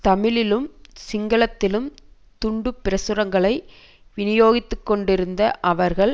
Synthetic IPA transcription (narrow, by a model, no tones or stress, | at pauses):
t̪ɐmɪlɪlɯmsɪŋɡɐɭɐt̪ːɪlɯm | t̪ʊɳɖɯpːɪɾɐsɯɾɐŋɡɐɭɐɪ | ʋɪnɪjoːɣɪt̪ːɯkːɔɳɖɪɾɯnd̪ɐʔɐʋɐɾɣɐɭ